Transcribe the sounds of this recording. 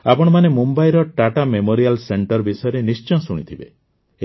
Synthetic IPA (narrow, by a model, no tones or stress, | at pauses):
apɔɽ̃ɔmanemumbajɾɔʈaʈamemoɾialseɳʈɔɾbisɔjɔɾenist͡ʃɔ̃suɽ̃ḭt̪ʰibe